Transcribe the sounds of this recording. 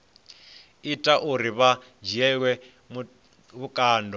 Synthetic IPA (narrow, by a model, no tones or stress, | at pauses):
itʼaʔuɾiβa | d͡ʒɛkwɛ | βukʼaːndʱɔ